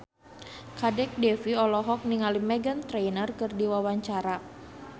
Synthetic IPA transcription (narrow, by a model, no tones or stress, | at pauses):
kadɛk̚dɛfiɔlɔɦɔk̚niŋalimɛɡant̪ɾɛjnərkɨrdiwawaɲt͡ʃaɾa